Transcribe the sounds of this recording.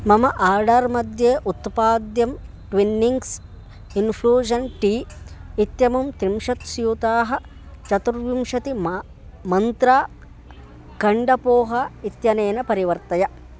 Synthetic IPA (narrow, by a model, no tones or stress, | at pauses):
mɐmɐʔaːɾɖɐɾmɐd̪jeːʔut̪paːd̪jɐm | ʈʋinːiŋɡs | inpʰluːd͡ʒɐnʈiːit̪jɐmumt̪imʂɐt̪sjut̪aːɦɐ̆ | t͡ʃɐt̪uɾʋimʂɐt̪im | mɐnt̪ɾaː | kɐɳɖɐpoːɦɐit̪jɐneːnɐpɐɾiʋɐɾt̪ɐjɐ